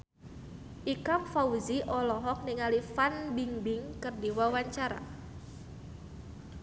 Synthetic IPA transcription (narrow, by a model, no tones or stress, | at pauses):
ʔikamfauziʔɔlɔɦɔk̚niŋalifanbiŋbɪŋkɨrdiwawaɲt͡ʃaɾa̰